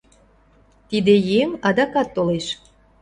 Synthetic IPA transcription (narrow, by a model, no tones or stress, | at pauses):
t̪id̪ejemɑd̪ɑkɑt̪ːoleʃ